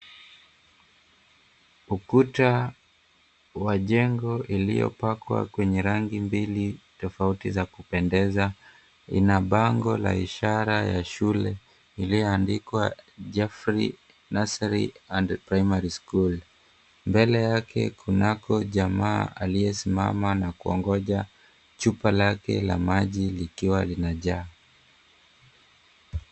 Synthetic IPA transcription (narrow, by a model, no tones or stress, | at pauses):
ukuta | waʄɛŋɡɔʔilḭjɔ̰pakwa̰kwɛɲɛɾaŋɡimbilitɔfautizakupɛndɛza | ḭnaɓaŋɡɔla̰iʃaɾajaʃulɛ | ilijɔandikwaʄafɾḭ | nasaɾḭandpɾaimaɾiskul | mbɛlɛjakɛ̰kunakɔʄamaːalijɛsima̰manakuɔ̰ŋɡɔʄa | t͡ʃupalakɛ̰la̰maʄilikiwalinaʄaː